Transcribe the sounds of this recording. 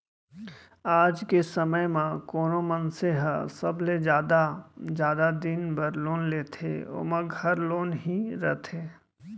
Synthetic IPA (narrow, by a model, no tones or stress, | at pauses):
aːd͡ʒkesɐməjmãkoːnomənseɦəsɐbled͡ʒaːd̪ad͡ʒjaːd̪ad̪ɪnbəɾloːnleːt̪ʰḛo̰mə̃ɡʱɐɾloːnɦiɾət̪ʰeː